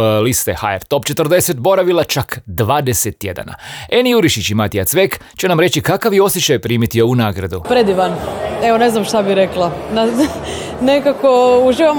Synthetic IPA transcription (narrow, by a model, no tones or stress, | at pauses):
list̪exa̰ḛɾt̪o̞pt͡ʃet̪rd̪eset̪bo̞ɾaʋilˠat͡ʃakd̪ʋaːd̪eset̪ːjed̪a̰na̰enijuɾiʃit͡ɕimat̪ijat̪sʋek | t͡ɕenamɾet͡ɕikakaʋjeo̞sjet͡ʃajpɾiːmit̪ijounaːɡɾa̰d̪upɾed̪iʋaneʋone̞znamʃt̪abiɾeklˠana | nekakouʒiːʋam